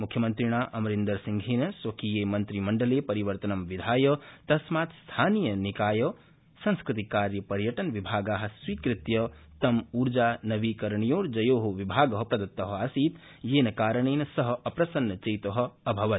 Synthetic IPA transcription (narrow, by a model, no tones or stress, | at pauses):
mukʰjɐmɐnt̪ɾiɽ̃aːʔɐmɾind̪ɐɾsiŋɡʱeːnɐswɐkijeːmɐnt̪ɾimɐɳɖɐlepɐɾiʋɐɾt̪ɐnɐmʋid̪ʱaːjɐt̪ɐsmaːt̪st̪ʰaːnijɐnikaːjɐ | sɐ̃ŋskɾɪt̪ikaːɾjɐpɐɾjɐʈɐnʋibʱaːɡaːɦɐ̆swiːkɾɪt̪jɐ | t̪ɐmuːɾd͡ʒaːnɐʋiːkɐɾɳ̃ijoːɾd͡ʒɐjoːɦoʋibʱaːɡɐɦɐpɾɐd̪ɐt̪ːɐɦɐaːsiːt̪ | jeːnɐkaːɾəɳ̃eːnɐsɐɦɐpɾɐsɐnːɐt͡ʃɐjt̪ɐɦɐ̆ɐbʱɐʋɐt̪